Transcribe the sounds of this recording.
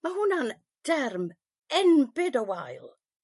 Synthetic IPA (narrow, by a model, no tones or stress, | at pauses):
mahʊnan | d̥ɛrm | ɛnbɪdəwajlˠ